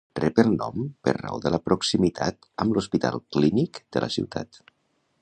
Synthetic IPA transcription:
rɛpəlˠnɔmpəɾra̰oðələpɾuksimit̪ʰa̰t̪ | əmluspit̪alˠklinikd̪̥əlʔəsḭwt̪a̰t̪

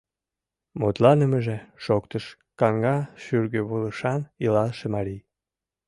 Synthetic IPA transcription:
mot̪lɑnəməʒeʃokt̪əʃ | kɑŋɡɑʃyrɡəβuləʃɑnilɑlʃemɑɾij

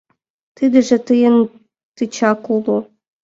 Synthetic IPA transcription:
t̪ɨd̪ɘ̆ʒĕt̪ɨjən | t̪ɨt͡ɕɑkulˠu

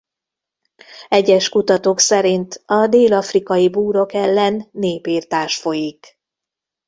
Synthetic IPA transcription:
ɛɟɛʃkut̪ɒt̪oːksɛɾint̪ɒd̪eːlɒfrikɒjibuːɾo̞kɛlːɛnːeːpiːrt̪aːʃfo̞jik

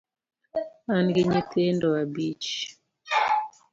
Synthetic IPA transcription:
anɡeɲitʰendɔabit͡ʃ

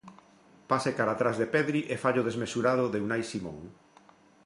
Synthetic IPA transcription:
pasekaɾat̪ɾazðepɛðɾiʔefaʎoð̞ezmesuɾað̞ʊðeunajsimõ̰ŋ

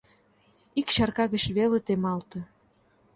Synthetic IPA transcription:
ikɕɑrkɑɣə̆t͡ɕβelet̪emɑlt̪ɤ̆

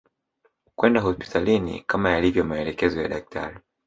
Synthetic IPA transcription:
kwɛndaɦɔspi̥tʰalinḭkamajalivjɔmaɛlɛkɛzɔja̰ɗak̚tʰa̰ɾi

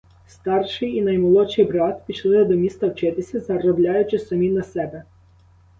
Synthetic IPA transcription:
st̪ɑrʃɪjinɐjmɔlˠɔt͡ʃɪjbɾɑt̪pʲit͡ʃlˠɪd̪ɔmʲist̪ɐwt͡ʃɪt̪ɪsʲɐzɐɾɔblʲɑjʊt͡ʃɪsɐmʲinɐsɛbɛ

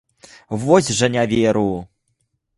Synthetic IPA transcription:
vɔzʲʐɐnʲavʲɛɾuju

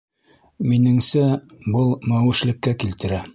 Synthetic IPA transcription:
minɘ̆ŋsæbɤlˠmæwɘ̆ʃlɘ̆kːækilt̪ɘ̆ɾæ

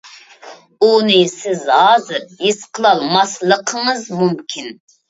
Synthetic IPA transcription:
unɨsɪzɑːzɨɾjisqʰəlˠɑlˠmɑslˠəqʰəŋəzmumkʲʰin

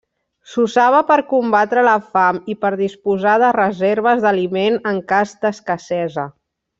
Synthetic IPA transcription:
suzaβ̞əpəɾkumbat̪ɾələfamipəɾðispuzaðərəzeɾβ̞əzðəlimenəŋkazd̪əskəsɛzə

